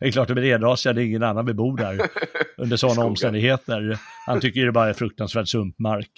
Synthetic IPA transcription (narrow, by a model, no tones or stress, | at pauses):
ɛɛklɑːʈd̪ɔmɛɾeːd̪ɾɑːsand̪ɛɪŋːənanːanvɪbuːɖæɾʔɵnd̪əʂɔnːaɔmst̪ɛnd̪ɪɡheːt̪əɾhant̪ʰʏkːəjʏd̪ɛbɑːɾaɛfɾɵk̚t̪ansvæːɖsɵmpmaɾk